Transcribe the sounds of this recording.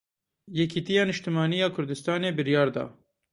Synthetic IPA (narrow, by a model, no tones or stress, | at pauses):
jɛkʰit̪ijɑːnɨʃt̪ɨmɑːnijɑːkʰʊɾd̪ɨst̪ɑːneːbɨɾjɑːɾd̪ɑ̰ː